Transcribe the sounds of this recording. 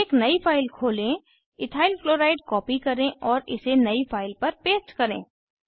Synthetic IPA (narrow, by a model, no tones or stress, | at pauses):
eːknɐifʰaːɪlkʰoːlẽ | ɪʈʰaːɪlfloːɾaːɪɖkɔːpikɐɾẽʔɔːɾɪ̰senɐifʰaːɪlpɐɾpeːsʈkɐɾḛ̃ː